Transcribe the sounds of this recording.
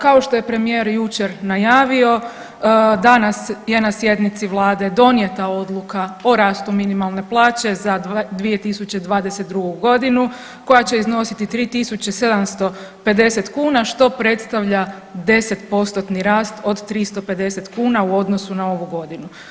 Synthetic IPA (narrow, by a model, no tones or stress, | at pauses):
kao̞ʃt̪o̞je̞pɾe̞mijeːɾjut͡ʃeɾnajaːʋio̞ | d̪anasje̞nasje̞d̪nit̪siʋlˠaːd̪e̞d̪o̞nje̞t̪ao̞d̪lˠukaoɾaːst̪uminimalˠne̞plˠaːt͡ʃe̞zad̪ʋije̞t̪isut͡ɕed̪ʋaːd̪ese̞t̪d̪ɾuɡuɡo̞d̪inu | ko̞jat͡ɕe̞izno̞sit̪it̪ɾiːt̪isut͡ɕe̞se̞d̪amst̪o̞pe̞d̪e̞set̪kuːnaʃt̪o̞pɾe̞t̪st̪aʋʎa | d̪e̞se̞t̪po̞st̪ot̪niɾaːst̪o̞d̪t̪ːɾist̪o̞pe̞d̪e̞set̪kuːnauo̞d̪no̞sunao̞ʋuɡo̞d̪inu